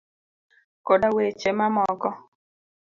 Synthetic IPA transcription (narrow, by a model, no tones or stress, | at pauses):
kodawet͡ʃemamɔkɔ